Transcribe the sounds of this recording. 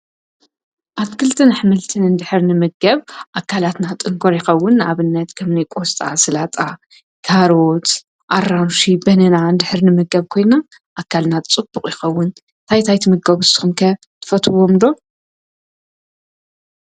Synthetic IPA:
ʔatkʰɨlt̪ʰɨnħɨmɨlt̪ʰɨnɨnd̪ɨħɨɾnɨmɨɡɐβʔakʰːalat̪nat̪ʼɨŋkʰoɾjɪxɐwːʊna̰βɨnːɐt̪kʰɐmnijkʼo̞st̪ʼa̰sɨlat̪ʼa | kʰaɾo̞t̪ | ʔaɾːanʃibɐnɐnand̪ɨħɨɾnɨmɨɡɐβkʰo̞jna | ʔakʰːalnat͡sʼɨb̥uχʼjɪxɐwːʊn | t̪ʰajt̪ʰajt̪ʰimɨɡɐβusɨ̥xumkʰɐ | t̪ʰɨ̥fɐt̪ʰɨwo̞mlo̞

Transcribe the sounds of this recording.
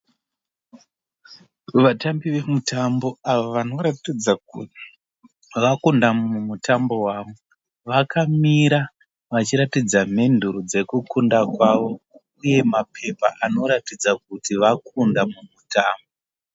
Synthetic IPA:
ʋatambiʋe̞mutambo̞aʋoʋano̞ɾatid͡zak | ʋakundamumutambo̞waʋu | ʋakʰamiɾa | ʋat͡ʃiɾatid͡zame̞nduɾud͡ze̞kukundakwaʋo̞ | uje̞mapʰe̞paʔano̞ɾatid͡zak̚utiʋakʰundamumutaːmbo

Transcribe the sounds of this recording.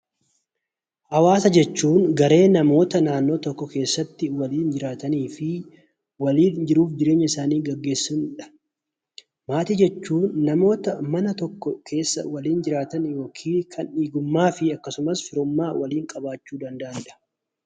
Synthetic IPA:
hɐwaːsɐd͡ʒɛt͡ʃːuːnɡɐɾe̞ːnɐmo̞ːt̪ɐnaːnːo̞ːt̪ɔkːɔke̞ːsːɐt̪ːɪwɐliːnd͡ʒɪɾaːt̪ɐniːfɪ | wɐliːnd͡ʒɪɾuːfd͡ʒɪɾeːɲːɐɪsaːniːɡɐɡːe̞ːsːɐnɪᶑɐ̥ | maːt̪id͡ʒɛt͡ʃːuːnːɐmo̞ːt̪ɐmɐnɐt̪ɔkːɔkʰe̞ːsːɐ̰wɐliːnd͡ʒɪɾaːt̪ɐnjo̞ːkʰiːkʰɐniːɡʊmːaːfɪɐkːɐsʊmɐsfɪɾʊmːaːwɐliːŋkʼɐbaːt͡ʃːuːd̪ɐnd̪ɐʔɐnd̪ɐ̥

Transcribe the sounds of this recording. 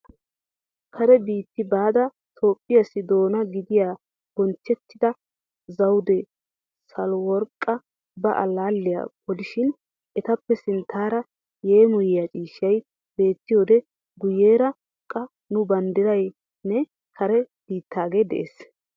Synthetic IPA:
kʰɐɾɛbiːt̪ːɪbaːd̪ɐ | t̪ʰo̞ːpʼːɪjɐsɪd̪o̞ːnɐɡɪd̪ɪjaː | b̥ɔnt͡ʃːɛt̪ːɪd̪ɐ | zɐwd̪ɛ | sɐlwɔɾkʼːɐ | bɐʔɐlaːlːɪja̰b̥ɔlɪʃɪn | ʔɛt̪ɐpːɛsɪnt̪ʰːaːɾɐ | je̞ːmʊjɪjat͡ʃʼiːʃɐj | be̞ːt̪ːɪjo̞ːd̪ɛ | ɡʊje̞ːɾɐ | kʼɐ | nʊbɐnd̪ɪɾɐj | nɛ | kʰɐɾɛ | b̥iːt̪ːaːɡe̞ːd̪ɛ̰ʔeːs

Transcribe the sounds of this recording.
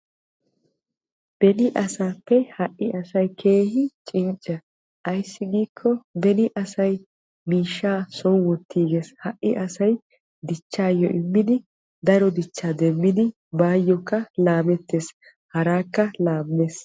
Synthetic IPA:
b̥ɛnɪʔɐsaːpːɛhɐʔːɪɐsɐjkʰe̞ːhɪt͡ʃʼɪnt͡ʃʼːɐ | ʔɐjsːɪɡiːkʰːɔbɛnɪʔɐsɐj | miːʃːaːsɔnwɔt̪ːiːɡeshɐʔʔːɪʔɐsɐj | d̪ɪt͡ʃːaːjːɔ̰ʔɪmːɪd̪ɪ | d̪ɐɾɔd̪ɪt͡ʃːaːd̪ɛmːɪd̪ɪ | baːjːɔkːɐlaːbɛt̪ːe̞ːs | hɐɾaːkːɐlaːbːeːs

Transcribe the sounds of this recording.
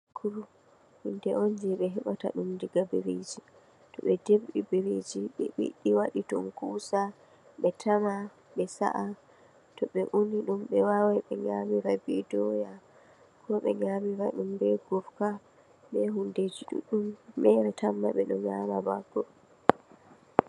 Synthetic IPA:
kʰuɾu | hindɛʔond͡ʒɛɓɛɦɛɓata̰ɗumdiɡabeɾed͡ʒi | tɔɓɛdebɗibeɾed͡ʒiɓiɛ̰ɓḭɗiwaɗitɔmkuːsa | ɓɛtʰama | ɓɛsa̰ʔa | tɔɓɛʔuniɗumɓɛwawɛɓɛɲamiɾabidɔja | kʰɔɓɛɲamiɾaɗumbɛɡɔfka | ɓɛɦunded͡ʒiɗṵɗumːɛɾɛtamːa̰ɓɛɗɔɲamabaɡːɔ

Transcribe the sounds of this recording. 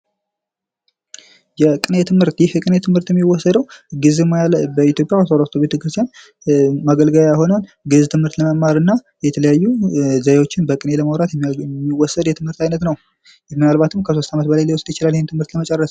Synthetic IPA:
jɛkʼɨnet̪ʰɨmhɨɾt̪jɪhjɛkʼɨnet̪ʰɨmhɨɾt̪jɛmːiwɔsːəd̪əwɡɨzemjalbəit̪jo̞pʼjawat̪ʰolat̪ʰo̞be̞t̪ʰəkɾɨst̪ʰjan | maɡəlɡəwjajɦo̞nan | ɡɨzt̪ʰɨmhɨɾt̪ləməmːaɾɨnːa | jɛt̪ʰələjajːuzajewo̞t͡ʃːɪnbəkʼɨne̞ləmawɾat̪mːiwɔsːəd̪jɛt̪ʰɨmhɨɾt̪ajnət̪nəw | jɛmːɨnalβat̪ʰɨmkʰəso̞st̪amət̪bəlajliwɔsɨd̪jɪt͡ʃɪlaljhent̪ʰɨmhɨɾt̪ləmət͡ʃʼɛrːəs

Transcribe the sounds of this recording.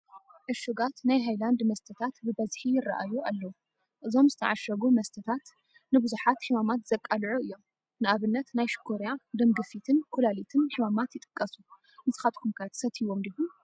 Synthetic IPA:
ʕɨʃuɡat̪najɦajland̪mɐst̪ʰɐt̪ʰat̪bɨbɐzħijɪrːɐʔajualːɐwu | ʔɨzo̞mzɨt̪ʰɐʕaʃɐɡumɐst̪ʰɐt̪ʰat̪ | nɨbɨzuħat̪ħɨmamat̪z̥ɐkʼːalʕuɨjːo̞m | nɨʔaβɨnːɐt̪najʃkʰoɾjad̪ɐmɡɨfit̪ʰɨnkʰulalit̪ʰɨnːħɨmamat̪jɪt̪ʼɨ̥kʼːɐsu | ɨnɨzɨxat̪kʰumkʰat̪ʰɨ̥sɐt̪ʰiwomd̪ibu

